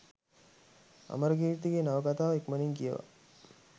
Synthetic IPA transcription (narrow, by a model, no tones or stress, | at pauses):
a̰məɾəɡiːɾt̪iɡenaʋəkat̪aːʋekməniŋkijə̰ʋa̰